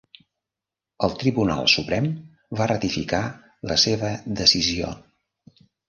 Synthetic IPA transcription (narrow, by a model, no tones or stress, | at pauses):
əlˠt̪ɾiβuna̰lˠsupɾɛm | barət̪ifika | ləseβ̞əd̪əsizio̰